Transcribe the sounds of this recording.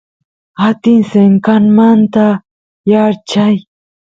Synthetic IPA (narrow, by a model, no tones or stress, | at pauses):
at̪ɪnseŋkanmant̪a | jaɾt͡ʃaj